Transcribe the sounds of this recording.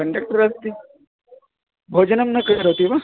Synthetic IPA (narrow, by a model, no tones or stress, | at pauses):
kɐɳɖɐk̚ʈɐɾɐst̪i | bʱoːd͡ʒɐnɐmnɐkɐɐɾot̪iʋa